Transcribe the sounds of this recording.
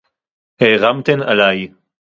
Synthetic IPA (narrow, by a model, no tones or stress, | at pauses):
heʁamt̪enalaj